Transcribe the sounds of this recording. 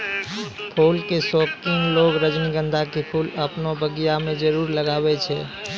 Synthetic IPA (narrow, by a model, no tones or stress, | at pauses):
pʰolkesokiŋloɡɾəd͡ʒniɡə̃nd̪ʱakepʰuləpnobəɡijamẽd͡ʒəɾuɾləɡaːbɛt͡ʃʰɛ̰